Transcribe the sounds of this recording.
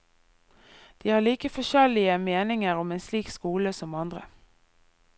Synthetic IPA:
d̪̥iːhɑːliːkəfɔʃɛlɪəmeːnɪŋəʁɔmeːnsliːkskuːləsɔmɑnd̪ʁə

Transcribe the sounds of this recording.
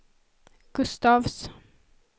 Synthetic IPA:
ɡ̥ʉst̪ɑːʋs

